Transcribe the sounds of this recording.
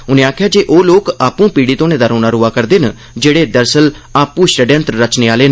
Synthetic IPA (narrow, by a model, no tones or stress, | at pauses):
ʊnẽːaːkʰjaːd͡ʒeːʔoːloːkaːpũːpiːɽiːt̪õːnẽːd̪aːɾõːnaːɾuːaːkəɾd̪eːnə | d͡ʒeːɽeːd̪əɾsəlaːpũːʃʈəɖɛ̃nt̪ɾɾət͡ʃneːaːleːn